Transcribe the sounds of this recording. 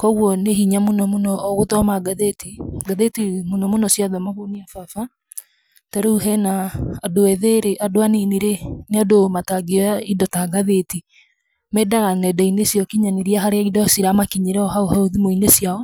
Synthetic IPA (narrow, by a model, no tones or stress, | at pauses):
kɔɣwɔneɦiɲamonɔmonɔːɣotɔmaɡaðetiɡaðetimonɔmonɔsjaðɔmaβoniafafa | taɾeuɦɛnaːdoɛðeɾeʔadoaniniɾeneadomataɡeaidɔtaɡaðeti | mɛdaɣanɛdainesjɔkiɲaniɾiaɦaɾeaidɔsiɾamakiɲeɾɛɔɦaoɦaoðimoinesjaɔ